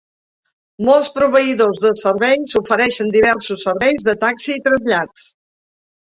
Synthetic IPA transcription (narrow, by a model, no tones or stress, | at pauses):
mɔlˠspɾuβ̞əiðozðəsərβɛjsufəɾɛʃənd̪iβɛrsusːərβɛjzðət̪aksiːt̪ɾəzʎas